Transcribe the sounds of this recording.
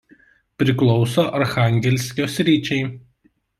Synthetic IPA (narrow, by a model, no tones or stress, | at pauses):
pʲɾʲɪklˠɔʊsoːʔɐɾxɑˑŋʲɡʲɛlʲsʲkʲoːsʲɾʲiːt͡ʃʲɛɪ